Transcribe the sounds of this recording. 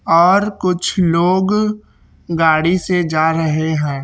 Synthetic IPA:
ɔːɾkʊt͡ʃʰloːɡ | ɡaːɽised͡ʒaːɾəɦeɦɛ̃ː

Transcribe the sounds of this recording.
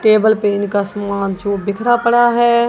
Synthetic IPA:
ʈeːbəlpeːnkasɐmaːnt͡ʃoːbɪkʰɾapəɽaɦɛː

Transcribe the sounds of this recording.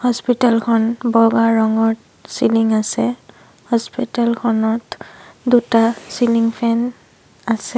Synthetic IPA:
hɔspitalkʰɔnbɔɡaɹɔŋɔɹ | siliŋasɛ | hɔspitalkʰɔnɔtdutasiliŋpʰɛn | asɛ

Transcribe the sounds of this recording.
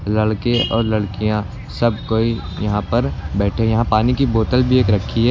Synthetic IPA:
lɐɽkẽʔɔ̰ːɾlɐɽkijã | sɐb̚koːi | jɐɦãpɐɾbɛːʈʰejɐɦãpaːnikiboːt̪əlbʱieːkɾɐkʰːiɦɛː

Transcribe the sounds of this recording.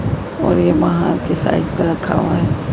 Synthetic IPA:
ɔːɾjeʋɐɦãkesa̰ːɪbkaɾɐkʰːa̰ʋaɦɛː

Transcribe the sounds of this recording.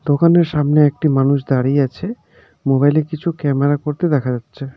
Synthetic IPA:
d̪okaneɾʃamneek̚ʈimanuʃd̪aɽiat͡ɕʰe | mobajlekit͡ɕʰukɛmeɾakoɾt̪ed̪ɛkʰad͡ʑatːɕʰe

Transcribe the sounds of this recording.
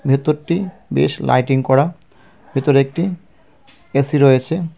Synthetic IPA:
bʱet̪oɾʈi | bḛʃla̰jʈiŋkɔɾa | bʱet̪oɾek̚ʈi | esiɾojet͡ɕʰe

